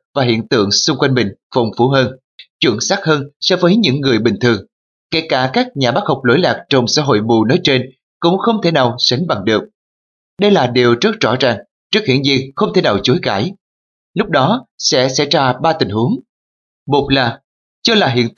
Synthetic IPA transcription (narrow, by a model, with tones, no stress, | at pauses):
vaː˨˩ɦḭ˧˨ənt̪ɨ̰˧˨əŋsʊ˧ŋ͡mkwa˧jŋmï˨˩ŋ̟fə˨˩wŋ͡mfu˧˦ɦəː˧n | t͡ɕwḭ˧˩əŋsaː˦˥k̚həː˧nsɔ˧vəː˨˦jɲɨ̰˧˥ŋːɨ˨˩əjɓï˨˩ŋ̟t̪ʰɨ˨˩əŋ | ke˧˩kaː˧˩kaː˦˥k̚ɲaː˨˩ɓaː˦˥k̚ha˨˩wk͡p̚lo̰˧˥jlaː˨˩k̚t͡ɕə˧wŋ͡msa̰ː˧˥ɦo̰˧˨jmu˨˩no˨˦jt͡ɕe˧n | kʊ̰˧˥ŋ͡mxə˧wŋ͡mt̪ʰe˧˩naː˨˩wsa˨˦jŋ̟ɓa˨˩ŋɗɨ˨˩ək̚ | ɗə˧jlaː˨˩ɗi˨˩əwt͡ɕə˦˥t̚z̥ɔ̰˧˥zaː˨˩ŋ | t͡ɕɨ˦˥k̚hḭ˧˩ənzḭ˧˩ŋxə˧wŋ͡mt̪ʰe˧˩naː˨˩wt͡ɕo˨˦jɣaː˧˩j | lʊ˦˥k͡p̚ɗɔ˨˦sɛ̰˧˥sɛ̰˧˥jzaː˧ɓaː˧t̪ï˨˩ŋ̟hu˨˦əŋ | mo˨˩t̚laː˨˩ | t͡ɕɔ˧laː˨˩ɦḭ˧˨